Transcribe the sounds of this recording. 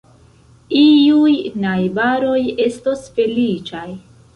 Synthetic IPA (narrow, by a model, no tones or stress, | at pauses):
iujnajbaɾo̞je̞stosfe̞lit͡ʃaj